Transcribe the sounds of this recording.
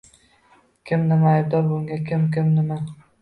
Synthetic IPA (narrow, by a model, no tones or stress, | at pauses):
kʲʰɪmnɪmaːjb̚d̪ɒɾbʊŋɡʲakʲʰɪmkʲɪmnɪma